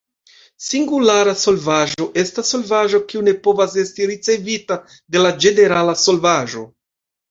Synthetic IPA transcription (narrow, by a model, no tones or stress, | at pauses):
siŋɡulaɾaso̞lvaʒo̞ʔe̞stasːo̞lvaʒo̞kiune̞po̞vase̞stiɾit͡se̞vita | de̞lad͡ʒe̞ne̞ɾalaso̞lvaʒo̞̰